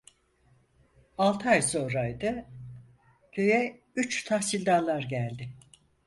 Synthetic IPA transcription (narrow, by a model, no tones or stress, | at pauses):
alˠt̪ʰɯajso̞nɾajd̪ɯ | cʰø̞jɛ | yt͡ʃt̪ʰahsilʲd̪alˠaɾɟælʲd̪ɪ